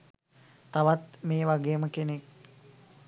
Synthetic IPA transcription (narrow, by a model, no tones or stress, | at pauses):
t̪aʋat̪meːʋaɡeːməkenek̚